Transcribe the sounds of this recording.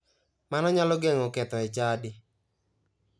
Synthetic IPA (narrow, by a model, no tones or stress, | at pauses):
manɔɲalɔɡɛŋokɛt̪ɔɪt͡ʃadɪ